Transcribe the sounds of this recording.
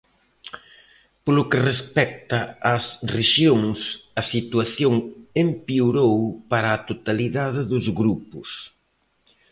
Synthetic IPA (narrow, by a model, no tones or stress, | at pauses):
polʊkerespɛk̚t̪ɐːsreʃjoŋsɐsit̪uaθjoŋempiuɾowpaɾaːt̪ot̪aliðaðɪðʊzɣɾupʊs